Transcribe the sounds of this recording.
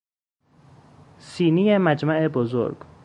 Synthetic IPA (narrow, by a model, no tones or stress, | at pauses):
siːnijemæd͡ʒmæʔebozo̰ɾɡ